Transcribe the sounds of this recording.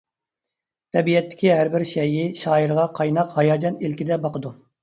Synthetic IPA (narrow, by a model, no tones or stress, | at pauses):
t̪ʰɛbijɛt̪ʰːɪ̥kʲiɦæɾbɪɾʃɛjɪʃɑːiɾʁɑqʰɑjnɑqhɑjɑːd͡ʒɑnilkʲid̪ɛbɑqəd̪u